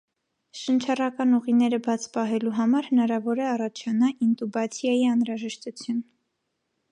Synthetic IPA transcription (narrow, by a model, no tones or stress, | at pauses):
ʃənt͡ʃʰɑrɑkɑnuʁinɛɾəbɑt͡sʰpɑɦɛluɦɑmɑɾhənɑɾɑvɔɾɛɑrɑt͡ʃʰɑnɑʔint̪ubɑt͡sʰjɑjiɑnɾɑʒɛʃt̪ut͡sʰjun